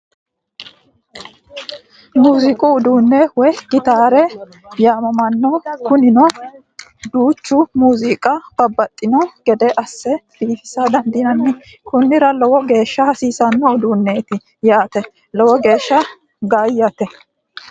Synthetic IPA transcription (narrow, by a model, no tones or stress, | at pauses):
muːzɪkʼʊːd̪uːnːɛwɔjɡ̥ɪt̪aːɾɛ | jaːmɐmɐnːɔkʊnɪnɔ | d̪uːt͡ʃːʊmuːzɪkʼɐb̥ɐbːɐt̪ʼːɪnɔɡɛd̪ɛʔɐsːɛd̪̥iːfɪ̥sɐd̪ɐnd̪ɪnɐnːɪ | kʊnːɪɾɐlɔwɔɡe̞ːʃːɐhɐsiːsɐnːɔʊd̪uːnːet̪ɪ | jaːt̪ɛ | lɔwɔɡe̞ːʃːɐ | ɡaːjːat̪ɛ